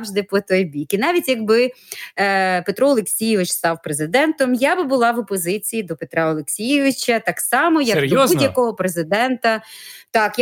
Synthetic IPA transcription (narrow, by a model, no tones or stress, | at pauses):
ʒd̪ɪpɔt̪ɔjbʲikinɑʋʲitʲjɐɡ̚bɪ | pet̪ɾɔɔːlˠeksʲijɪʋɪt͡ʃst̪ɑwpɾezɪd̪ɛnt̪ɔmjabɪbʊlˠɑʋɔpɔzɪt͡sʲijid̪ɔpet̪ɾɑɔlˠeksʲijɪʋɪt͡ʃɐt̪ɑksɑmɔjɐkd̪ɔbudʲjɐkɔɦɔpɾezɪd̪ɛnt̪ɐt̪ɑkj